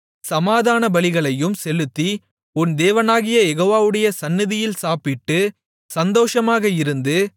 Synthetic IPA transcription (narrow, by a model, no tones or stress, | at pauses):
sɐmaːðaːnɐbɐɭɪɣɐɭɐjɯmsɛlɯt̪ːi | ʊnd̪eːʋɐnaːɣɪjɐjɛɣoːʋaːʋɯɽɐjɐsɐnːɪðɪjɪlsaːpɪʈːɯ | sɐnd̪oːʂɐmaːɣɐɪɾɯnd̪ɯ